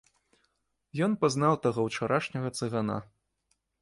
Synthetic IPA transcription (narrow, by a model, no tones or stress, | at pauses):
jɔnpaznawt̪aɣɔwt͡ʂaɾʔaʂnʲɐɣɐt̪sɨɣana̰